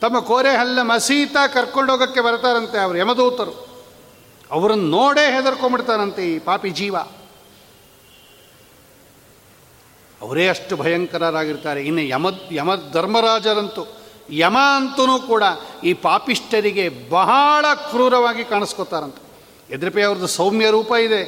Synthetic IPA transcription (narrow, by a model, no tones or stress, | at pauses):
t̪ɐmːɐkoːɾeɦɐlːɐmɐsiːt̪akɐɾkoɳɖoːɡɐkːe̞bɐɾt̪aːɾɐnt̪eɐʋɐɾujɐmɐd̪uːt̪ɐɾu | ɐʋɐɾɐnːunoːɽeːɦeːd̪ɐɾkombiɽt̪aːɾɐnt̪eiːpaːpid͡ʒiːʋa | ɐ̰ʋɐɾeːɐʂʈubʱɐjɐŋkɐɾaɾaːɡiɾt̪aːɾeinːejɐmɐjɐmɐd̪ʱɐɾmɐɾaːd͡ʒɐɾɐnt̪u | jɐmaɐnt̪unuːkuːɽɐiːpaːpiʂʈɐɾiɡe̞bɐɦaɭɐkɾuːɾɐʋaːɡikaːɳiskot̪aːɾɐnt̪e | ed̪ɾɐpɐɐʋɐɾɐd̪usɐwmjɐɾuːpaid̪e